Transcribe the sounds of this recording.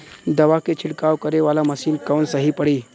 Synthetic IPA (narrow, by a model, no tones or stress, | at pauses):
d̪ɐʋaket͡ɕʰiɽkaʋkəɾeʋalaməsiːnkawnsəɦipəɽiː